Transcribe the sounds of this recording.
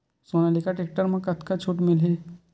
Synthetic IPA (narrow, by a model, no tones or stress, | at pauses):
soːnalikaʈeːk̚ʈəɾmãkɐt̪ʰkat͡ʃʰuːʈmɪlɦe